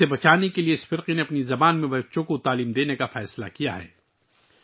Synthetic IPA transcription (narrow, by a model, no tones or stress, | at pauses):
ebɐt͡ʃaːnekelieɪsfɪɾqineɐpnizɐbaːnmẽbɐtːʃõkot̪aːliːmd̪eːnekafɛːsla̰kija̰ɦɛ̰ː